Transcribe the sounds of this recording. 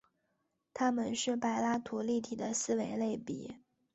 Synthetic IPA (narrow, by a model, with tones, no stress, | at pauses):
t̪ʰa˥mə˨nʂɻ̩˥˩pa˨˩ɪla˥t̪ʰu˧˥li˥˩t̪ʰi˨˩d̪ə˦sɹ̩˥we˧˥ɪle˥˩ɪpḭ˨˩˦